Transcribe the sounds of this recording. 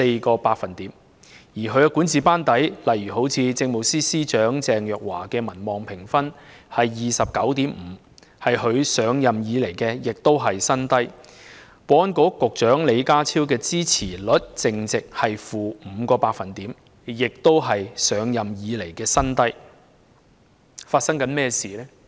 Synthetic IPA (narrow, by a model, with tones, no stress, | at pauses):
e˧jkɔː˧paː˧k̚fɐ˨nt̪iː˨˥m | jiː˨˩ɦʰɵ˨˧ɥja˧kuː˨˥nt͡siː˨paː˥nt̪ɐ˨˥jlɐ˨jɥyː˨˩ɦo˨˥wt͡sʰiː˧t͡sɪ˧ŋmo˨wsiː˥siː˥t͡ʃœː˨˥ŋt͡sɛː˨ŋjœː˨˩k̚waː˨˩kɛː˧mɐ˨˩nmɔː˨ŋpʰɪ˨˩ŋfɐ˥nhɐ˨jːiː˨sɐ˨p̚kɐ˨˥wt̪iː˨˥mm̩ː˨˧ | hɐ˨jɦɵ˨˧ɥsœː˨˧ŋjɐ˨mjiː˨˧le˨˩jkɛː˧jɪ˨k̚t̪o˥wɦɐ˨jsɐ˥nt̪ɐ˥j | wɔː˨˧nkɔː˨˥kʊ˨k̚t͡ʃœː˨˥ŋle˨˧jkaː˥t͡sʰiː˥wkɛː˧t͡siː˥t͡sʰiː˨˩lɵ˨˥t̚t͡sɪ˨ŋt͡sɪ˨k̚hɐ˨jfuː˨m̩ː˨˧kɔː˧paː˧k̚fɐ˨nt̪iː˨˥m | jɪ˨k̚t̪o˥wɦɐ˨jsœː˨˧ŋjɐ˨mjiː˨˧le˨˩jkɛː˧sɐ˥nt̪ɐ˥j | faː˧t̚sɐ˥ŋkɐ˨˥nmɛː˥siː˨˩lɛː˥